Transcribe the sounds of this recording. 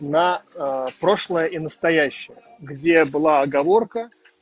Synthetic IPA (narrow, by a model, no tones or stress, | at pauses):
nɐpɾo̞ʂlˠəjəʔinəst̪ɐjæɕːɪjə | ɡdʲebɨlˠaɐɡɐvo̞rkə